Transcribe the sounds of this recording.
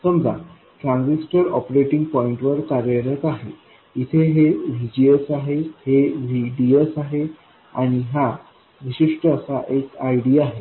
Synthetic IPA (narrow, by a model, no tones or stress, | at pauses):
səmda̰ | ʈɾãnsisʈəɾɔpɾeʈiŋɡ̚pɔiɳʈʋəɾkaɾeɾet̪aɦe | it̪ʰeɦeʋʱid͡ʑiesaɦeheʋʱiɖiesaɦe | aɽ̃iɦa | ʋiɕiʂʈəːsaʔekajɽiaɦe